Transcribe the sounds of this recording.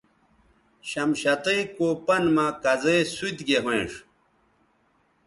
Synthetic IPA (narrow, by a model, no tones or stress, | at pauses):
ɕɐmɕɐt̪ejkopɐnmakɐzeːsut̪ɡeɦwẽːʂ